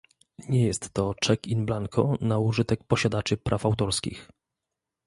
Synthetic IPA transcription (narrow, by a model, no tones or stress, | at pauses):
ɲɛjɛst̪ːɔt͡ʂɛkinblaŋkʰɔ̰nauʐɘt̪ɛk̚pɔɕad̪at͡ʂɘpɾʔafawt̪ɔɾskʲḭx